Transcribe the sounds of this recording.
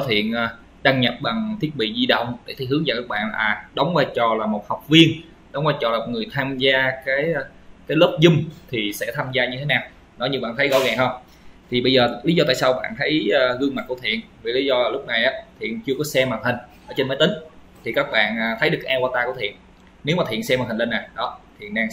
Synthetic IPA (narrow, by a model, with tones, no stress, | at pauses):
kɔ˨˦t̪ʰḭ˧˨ənʔaː˨˩ | ɗa˧ŋɲa˨˩p̚ɓa˨˩ŋt̪ʰi˦˥ət̚ɓḭ˧˨zi˧ɗə̰˧˨wŋ͡mɗe˧˩t̪ʰi˧˩jhɨ˨˦ŋaː˨˩kaː˦˥k̚ɓa̰ː˧˨nlaː˨˩ɗə˨˦wŋ͡mvaː˧˩t͡ɕɔ˨˩laː˨˩mo˨˩t̚ha˨˩wk͡p̚vi˧ən | ɗə˨˦wŋ͡mvaː˧jt͡ɕɔ˨˩aː˨˩mo˨˩ŋɨ˨˩əjt̪ʰaː˧mzaː˧kaː˨˦j | kaː˨˦jlo˦˥p̚zʊ˧ŋ͡mt̪ʰi˨˩sɛ̰˧˥t̪ʰaː˧mzaː˧ɲɨ˧t̪ʰe˨˦naː˨˩w | nɔ˨˦jɲɨ˧˩ɓa̰ː˧˨nt̪ʰə˨˦jɣɔ̰˧˦ɣɛː˨˩hə˧ŋ͡m | t̪ʰi˨˩ɓə˧jzəː˨˩li˨˦zɔ˧t̪a̰ː˧˨saː˧wɓa̰ː˧˨nt̪ʰə˨˦jːɣɨ˧əŋma˨˩t̚ku˧˩ət̪ʰḭ˧˨ən | vi˨˩˦li˨˦zɔ˧a˨˩lʊ˦˥k͡p̚na˨˩jʔaː˨˦t̪ʰḭ˧˨ənt͡ɕɨ˧əkɔ˨˦sɛ˧maː˨˩t̪ʰï˨˩ŋ̟ʔəː˧˩t͡ɕe˧nməː˨˦jt̪ï˨˦ŋ̟ | t̪ʰi˨˩kaː˦˥k̚ɓa̰ː˧˨naː˨˩t̪ʰə˨˦jɗɨ˨˩ək̚ʔaː˧kwaː˧t̪aː˧ku˧˩ət̪ʰḭ˧˨n | ne˨˦wmaː˨˩ḭ˧˨ənsɛ˧ma˨˩i̟˨˩le˧nːaː˨˩ɗɔ˨˦t̪ʰḭ˨˩ənɗaː˧ŋ